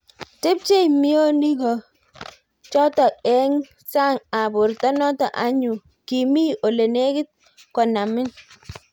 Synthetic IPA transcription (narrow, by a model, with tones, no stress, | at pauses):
tɪ˦p̚t͡ʃe˦jmi˦o˦ni˦ɡɔ˨ | t͡ʃɔ˦tɔ˨ɛ˦ŋ | sa˦ŋa˨bʊ˨ɾtɔ˦nɔ˦tɔ˨ʔa˦ɲu˨ | ki˨mi˦o˨le˨ne˦kɪ˦t̪̚ | kɔ˨na˨mɪ˦n